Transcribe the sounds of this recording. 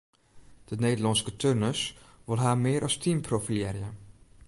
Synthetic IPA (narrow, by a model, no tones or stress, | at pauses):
d̥əneːdəlɔnskətʰørnəsʋolˠɦaːmɪːɾʔɑstʰimpʰrofilɛːrjə